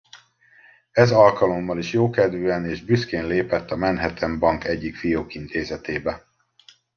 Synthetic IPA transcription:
ɛzɒlkɒlo̞mːɒliʃjoːkɛd̪vøːɛneːʒbyskeːnleːpɛt̪ːɒmɛnɦɛt̪ʰɛmbɒŋkɛɟːikfijoːkint̪ʰeːzɛt̪eːbɛ

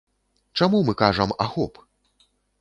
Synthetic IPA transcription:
t͡ʂamumɨkaʐɐmaxɔp

